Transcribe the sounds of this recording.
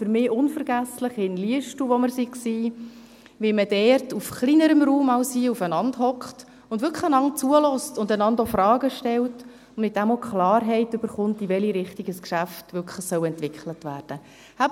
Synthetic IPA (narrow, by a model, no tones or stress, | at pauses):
fʏɾmɪːʔʊnfəɾɡ̥æsləχɪnliəʃtuʋɔməɾsiksiː | ʋɪməd̥ɛːrtufχliːnəɾəmɾuːmɑwsiːufənɑndhɔkχt | ʊndʋʏkχəənɑŋt͡suəlɔstʊndənɑndɔfrɑːɡəʃtɛlt | ʊnɪt̚d̥æmɔkχlɑːɾɦɛɪtʏb̥əɾχʊntivɛliɾɪχtiɡəskʃæftʋʏkʰəsœwɛntʋɪkχlətvæːrd̥ə | hæb